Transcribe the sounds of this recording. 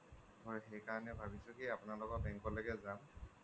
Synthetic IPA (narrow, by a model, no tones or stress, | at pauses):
tɔjxɛjkaɹɔnɛbʱabisʊkiapʊnalɔkɔbɛŋkɔlɛɡɛzam